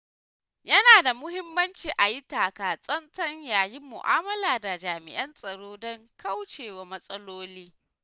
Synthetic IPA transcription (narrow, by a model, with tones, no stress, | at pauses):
jɐ˦naː˨da˨mʊ˦hɪ˦mːɐ˦nt͡ʃiː˨ʔa˨ji˦taː˨kaː˨sʼɐ˦ntɐ˦ɲjaː˨ji˦mːʊ̰˨ʔa̰ː˦mɐ˦laː˨da˨d͡ʒaː˨mɪ̰˨ʔɐ˦nsʼɐ˨ɽoː˦dɔ˦ŋkɐ˦wt͡ʃeː˨wa˨mɐ˦sʼɐ˦loː˦liː˦